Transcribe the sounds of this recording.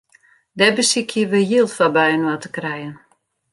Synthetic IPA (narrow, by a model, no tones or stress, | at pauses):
dɛbəsikʰjəʋəjilˠfabɛjənwatə̥krɛjən